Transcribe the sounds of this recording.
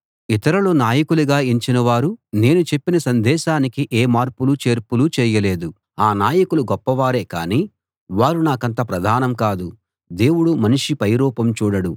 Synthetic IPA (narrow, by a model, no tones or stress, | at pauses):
it̪ɐɾɐloːnaːjɐkuluɡaːiɲt͡ʃinɐʋaːɾune̞ːnut͡ʃe̞pːinɐsɐnd̪ɛːʃaːnikiʔeːmaːɾpulut͡ʃe̞ːɾpulut͡ʃɛːjɐle̞ːd̪u | aːnaːjɐkuluɡɔpːɐʋaːɾe̞ːka̰ːniː | ʋaːɾunaːkɐnt̪ɐpɾɐd̪ʱaːnɐmkaːd̪u | d̪e̞ːwuɽumɐniʂipɐjɾɔːpɐmt͡ʃuːɽɐɽu